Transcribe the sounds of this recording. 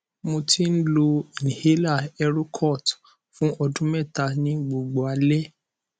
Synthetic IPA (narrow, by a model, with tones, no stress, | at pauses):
mo˧tʰi˦n̩˦lo˧˨nĩ˨he˨˦la˦˨ɛ˧ɾo˦kʰɔ˦˨t | fũ˦ʔɔ˧dũ˦mɛ̃˦˨ta˧nĩ˦ɡ͡bo˨ɡ͡bo˨a˧˦lɛ˦